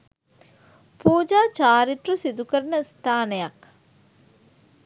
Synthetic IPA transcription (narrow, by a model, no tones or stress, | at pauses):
puːd͡ʒaːt͡ʃaːɾiʈɾusid̪ukəɾnəst̪ʰaːnəjak